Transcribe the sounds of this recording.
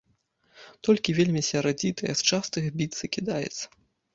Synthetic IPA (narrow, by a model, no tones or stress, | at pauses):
t̪ɔlʲkʲivʲelʲmʲisʲɐɾad͡zʲit̪ʰɐjɛst͡ʂast̪ɨxbʲit̪sɨkʲid̪ajɛ̰t̪sːɐ̥